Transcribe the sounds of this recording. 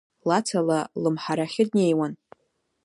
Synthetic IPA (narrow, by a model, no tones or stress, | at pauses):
lat͡sʰalalɨmħaɾaχʲɪd̚ne̞jwan